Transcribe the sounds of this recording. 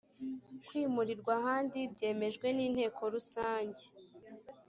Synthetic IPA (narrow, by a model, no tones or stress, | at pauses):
kwiːmuɾiɾɡwahaːndibɟe̞ːme̞ʒɡwe̞niːn̥he̞ːkʰo̞ɾusaːɲɟe